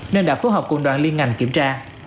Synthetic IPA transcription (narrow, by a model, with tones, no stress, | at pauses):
nə˧nɗa̰ː˧˥fo˨˦ɦɔː˨˩p̚kṵ˧˩nɗwa̰ː˧˨nli˧ənŋa˨˩jŋ̟kḭ˧˩əmt͡ɕaː˧